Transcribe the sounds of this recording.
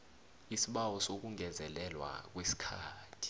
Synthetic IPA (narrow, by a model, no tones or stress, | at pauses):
isiɓawɔsok̬uŋɛzɛlɛlwa̰k̬wesi̥kʰaːtʰi̥